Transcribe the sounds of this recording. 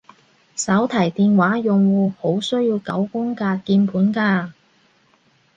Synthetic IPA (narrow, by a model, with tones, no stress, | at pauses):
sɐ˨˥wt̪ʰɐ˨˩jt̪iː˨nwaː˨˥jʊ˨ŋwuː˨˧ho˨˥wsɵ˥ɥjiː˧wkɐ̰˨˥wkʊ˥ŋkaː˧kiː˧npʰuː˨˥nkaː˧